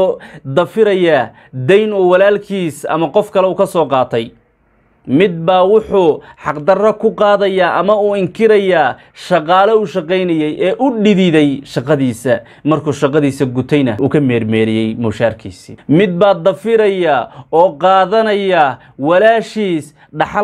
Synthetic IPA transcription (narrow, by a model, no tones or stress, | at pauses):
d̪ɐfɪɾɐjaː | d̪ɛjnʊwɑlaːlkʰiːsɐ̰mɐqɔfkʰɐlɛuːkʰɐsɔːqɑːt̪ʰɛj | mɪd̪̚baːwʊħʊħɑqd̪ɐrɐkʰʊqɑːðɐjaːʔɐmɐuːɪŋkʰɪɾɐjaː | ʃɑqɑːlɐʊʃɑqɛjnɐjɛjʔɛːʔʊɖɪðɪðɛjʃɑqɑðiːsɐ | mɐrkʰuːʃɑqɑðiːsɐɡʊt̪ʰɛjnɐuːkʰɐmɛːrmɛːɾɪjɛjmuːʃaːrkʰiːsḭmɪd̪̚baːd̪ɐfɪɾɐjaːɔːqɑːðɐnɐjaː | wɑlaːʃiːs | ɖɑħɑ